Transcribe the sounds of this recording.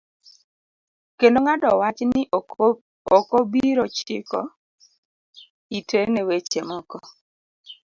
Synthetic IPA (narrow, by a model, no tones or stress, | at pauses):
kendoŋadɔwat͡ʃnɪ | okobiɾot͡ʃɪkɔ̰ | itʰenewet͡ʃemɔkɔ